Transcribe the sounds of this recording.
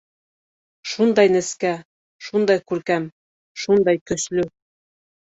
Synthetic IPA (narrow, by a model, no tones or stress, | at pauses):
ʃund̪ɑjnɘ̆skæ | ʃund̪ɑjkʉɾkæm | ʃund̪ɑjkɵ̆slɵ